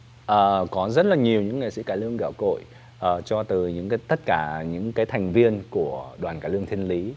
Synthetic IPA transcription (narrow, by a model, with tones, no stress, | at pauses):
ʔəː˨˩kɔ˨˦zə˦˥t̚laː˨˩ɲi˨˩əwɲɨ̰˧˥ŋːḛ˧˨sḭ˧˥kaː˧˩lɨ˧əŋɣa̰ː˧˩wko̰˧˨j | ʔəː˨˩t͡ɕɔ˧t̪ɨ˨˩ɲɨ̰˧˥ŋkaː˨˦jt̪ə˦˥t̚kaː˧˩ɲɨ̰˧˥ŋkaː˨˦jt̪ʰɛ˨˩jŋ̟vi˧ənku˧˩əɗwaː˨˩nkaː˧˩lɨ˧əŋt̪ʰi˧ənli˨˦